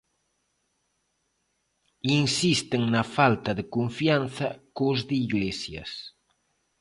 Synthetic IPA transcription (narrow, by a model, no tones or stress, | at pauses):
insist̪eŋnafalt̪ɐðekoɱfianθɐkozðeiɣlesjɐ̰s